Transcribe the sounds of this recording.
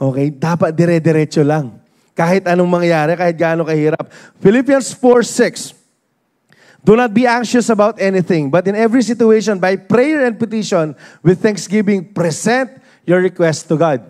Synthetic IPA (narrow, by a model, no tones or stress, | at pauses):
ʔoːkɛjd̪aːpɐt̪̚d̪ɛɾɛd̪ɛɾɛːt͡ʃolɐŋ | kaːhɪt̪ɐnoŋmɐŋjaːɾɛkaːhɪt̪̚ɡaaːnoŋkɐhiːɾɐp̚fɪlipjɐnsfoɹsɪks | d̪unɐt̪̚biʔaŋkʃʊsɐbawt̪ɛnɪθɪ̃ŋbɐt̪ɪ̃nɛvɹisɪt̪ʊejʃɔ̃nbɐjpɾɛjɛɹɛ̃nd̪̚pɪt̪iʃɔ̃nwɪd̪̚θɛ̃ŋksɡɪbɪ̃ŋpɾɛsɛ̃nt̪̚ | jɔɹːɪkwɛst̪ːuɡad̪̚